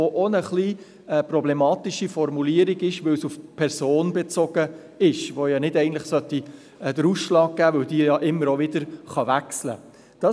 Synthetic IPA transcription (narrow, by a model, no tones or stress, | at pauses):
oʔonəχliː | ɛprɔblɛmɑːt̪iʃifɔɾmuliːəɾiɡɪʃʋɵwsufpʰɛɾsoːnbɛt͡sɔɡ̥ə | ɪʃʋojɑnɪdɛɪɡntləχsœt̪ːi | ɛd̥əɾusʃlɑːɡ̚ɡ̥æːʋɵwd̪iːjɑʔɪmːəɾovɪd̪əɾχɑʋækslə̰ | d̥ɑ